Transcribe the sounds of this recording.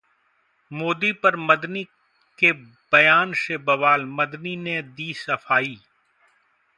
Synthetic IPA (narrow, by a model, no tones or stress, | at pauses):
moːd̪ipɐɾmɐd̪ni | ke | bɐjaːnsebɐʋaːlmɐd̪nined̪iːsɐfaːiː